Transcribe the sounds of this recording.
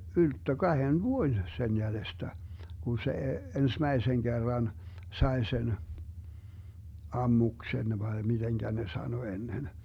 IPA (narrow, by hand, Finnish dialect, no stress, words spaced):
yltːø kɑhen ʋuoĭn sen jælestæ ɡ̊un se ensmæiseŋ ɡ̊erːɑn sɑe sen ɑmːuksen ʋɑe mid̥eŋɡ̊æ ne sɑno enːen